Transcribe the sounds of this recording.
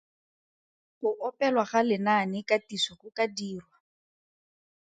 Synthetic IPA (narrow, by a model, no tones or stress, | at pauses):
χʊʔɔpɛlwaχalɪnanɪkatisɔχʊkadiːrwa